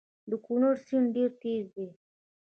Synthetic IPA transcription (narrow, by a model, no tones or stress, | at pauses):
d̪əkunəɾsinɖeɾt̪ezd̪e